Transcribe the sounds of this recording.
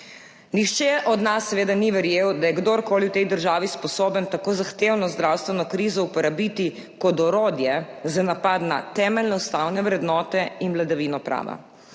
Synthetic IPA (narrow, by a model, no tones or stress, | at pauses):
niʃt͡ʃɛʔɔd̪nasːɛʋeːd̪aniʋɛɾjewd̪ajɛɡd̪oɾkoːliwt̪ɛjd̪əɾʒaːʋispɔsoːbənt̪akoːzaxt̪ewnɔzd̪ɾawst̪ʋɛnɔkɾiːzɔupɛɾabiːt̪i | kɔd̪ɔɾoːd̪jɛzanapad̪na̰t̪ɛːmɛlnɛust̪awnɛʋɾɛd̪nɔːt̪ɛinʋlad̪aʋiːnɔpɾa̰ːʋa̰